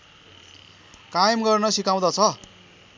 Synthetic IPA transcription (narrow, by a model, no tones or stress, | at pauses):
kajmɡʌrnʌsikaw̃d̪ʌt͡sʰʌ